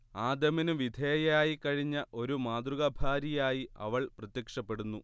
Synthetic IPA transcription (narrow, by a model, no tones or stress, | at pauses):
aːd̪ɐminuʋid̪ʱeːjaːjikːɐɻiɲːɐʔo̞ɾumaːd̪ruɣɐbʱaːɾijaːjiɐ̰ʋɐɭprɐt̪jɐkʂɐpːe̞ɽunːu